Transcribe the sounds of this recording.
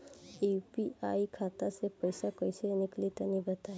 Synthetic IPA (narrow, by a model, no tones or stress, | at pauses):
epiaikʰat̪asepəjsakəjsenɪklit̪ənibət̪ae